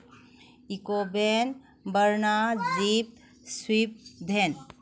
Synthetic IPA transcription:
ikobʱen | bəɾnad͡ʒip̚ | swip̚bʱen

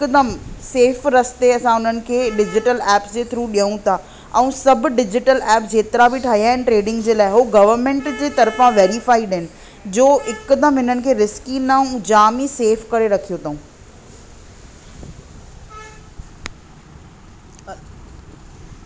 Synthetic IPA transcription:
kd̪əmseːfɾɐst̪eɐsãʊn̤ənɪ̆kʰeːɖɪd͡ʑɪʈəlɛːpsd͡ʑeːt̪ʰɪɾuːɗijə̃ũt̪ʰa | ɛ̃ũsɐbɖɪd͡ʑɪʈəlɛːpd͡ʑeːt̪ɪɾabʱɪʈʰaːɦijaɦɪnɪ̆ʈɾeːɖɪ̃ŋɡd͡ʑeːlaːɪɦoɡɐʋəɾmẽːɳʈd͡ʑeːt̪ɐɾfãʋeːɾɪfaːiɖɦɪnɪ̆ | d͡ʑoːɪkʊd̪əmɦɪnənɪ̆kʰeːɾɪskinaũd͡ʑaːmiseːfkɐɾeɾɐkʰijot̪ʰaũ

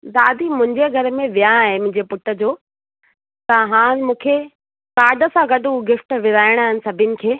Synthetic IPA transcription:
d̪aːd̪ʱimʊ̃ɦɪ̃ɲd͡ʑeɡʱɐɾəmẽʋijaːɦɪmʊ̃ɦɪ̃ɲd͡ʑepʊʈə̆d͡ʑoː | t̪ɐɦãːmũːkʰe | kaːɖə̆sãɡɐɖʱũɡɪfʈʋɪzaːɪɽ̃aːɦɪnɪ̆sɐbʱɪnɪ̆kʰeː

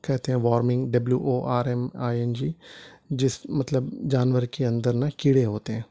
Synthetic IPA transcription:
kɛːt̪eɦɛ̃ːʋaːɾmɪ̃ŋɡɖəbljuːʔoːʔaːɾɛːmaːɛnd͡ʒiːd͡ʒɪsmət̪ləbd͡ʒaːnʋəɾkeːənd̪əɾnãːkɪɽeːɦoːt̪eɦɛ̃ː

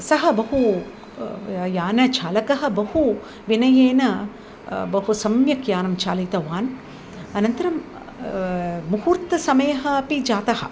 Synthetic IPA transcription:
sɐɦɐ̆bɐɦu | jaːnɐt͡ʃʰaːlɐkɐɦɐ̆bɐhu | ʋinɐjeːnɐ | bɐɦusɐmjɐkjaːnɐmt͡ʃaːlɐt̪ɐʋaːn | ɐnɐnt̪ɐɾɐm | muhuːɾt̪ɐsɐmɐjɐɦɐɐpid͡ʒaːt̪ɐɦɐ̰̆

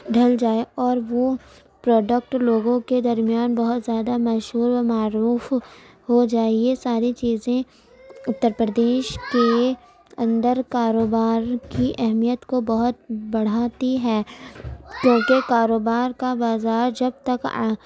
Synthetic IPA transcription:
ɖʱɐld͡ʒaːeɔːɾʋo | pɾɔːɖək̚ʈloːɡõked̪ɐɾmijaːnbɐɦʊt̪zjaːd̪amɐʃɦuːɾmaːɾuːf | ɦod͡ʒaːiesaːɾit͡ʃiːzẽ | ʊt̪ːəɾpɾəd̪eːʃke | ɐ̃nd̪əɾkaːɾoːbaːɾkiʔɛɦmijət̪kobɐɦʊt̪̚bɐɽ̤aːt̪iɦɛː | kjõːkekaːɾoːbaːɾkabaːzaːɾd͡ʒɐb̚t̪ɐk

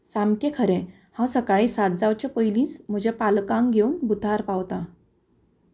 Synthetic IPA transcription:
samkekʰəɾẽ | hãsəkaɭĩːsat̪̚d͡zawt͡ɕepəjlĩːt͡sm̤əd͡ʑepalkãŋɡʱeuːnbud̪ʱaɾpawt̪a

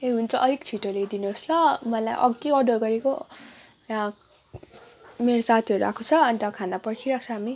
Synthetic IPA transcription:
eɦunt͡sʰʌʔʌɾikt͡sʰiʈoled̪inuɦoslʌmʌla̰jʔʌ̰ɡeʌɖorɡʌɾeko | ra | meɾosat̪ʰiʌɾua̰kʰot͡sʰʌʌnt̪ʌkʰanapʌrkʰiɾak̚t͡sʰʌɦami

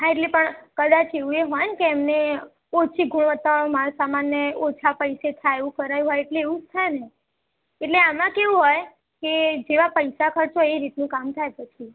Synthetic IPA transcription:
ɦãeʈlepəɳkəd̪at͡ʃeʋũeɦɔjnkeɛmne | ot͡ʃʰiɡʱuɳʋət̪aʋaɭomaɾosamanːeot͡ʃʰapəjset̪ʰajeʋũkəɾajũɦɔjeʈleːʋũd͡ʒt̪ʰajne | eʈleamãkeʋũɦɔj | ked͡ʒeʋapəjsakʰəɾt͡ʃʰoeɾit̪nũkamt̪ʰajpət͡ʃʰi

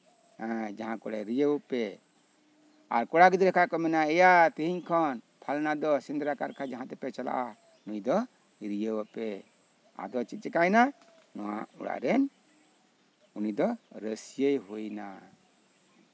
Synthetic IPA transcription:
hɛ̃d͡ʒaɦãkɔɽɛɾijəwpɛ | a̰ɾkɔɽaɡid̪iɾɛkʰaʔkɔmɛnaɛjat̪iɦiɲkʰɔn | pʰalnad̪ɔsind̪ɾakaɾkʰad͡ʒaɦãt̪ɛpɛt͡ʃala̰ʔa | unujd̪ɔ | ɾijəwapɛ | a̰d̪ɔt͡ʃit̪̚t͡ʃɛkajna | nɔwa̰ṵɽa̰ʔɾɛn | unid̪ɔɾəsijəjɦujna

